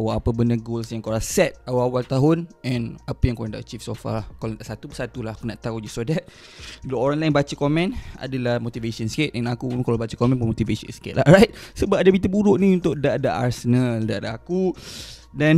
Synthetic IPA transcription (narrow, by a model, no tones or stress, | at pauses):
awaapəbəndaɡolsjaŋkoɾasɛt̪̚awaawalt̪aɦʊnɛ̃napəjaŋkoɾãndaʔt͡ʃifsofa̰lhkalt̪aʔsat̪ubəsat̪ulahakunaʔt̪aud͡ʒusɔdɛt̪̚ | bəloɔnlajnbat͡ʃakomɛ̃na̰dalahmot̪ivesɔnsket̪̚ɛ̃nakukalabat͡ʃəkomɛ̃npunmot̪ivesɔ̰nskɪ̰t̪̚larajt̪̚səbapadabit̪əbuɾʊʔnĩunt̪ʊʔdaʔdaʔasənaldaʔadaaku | dan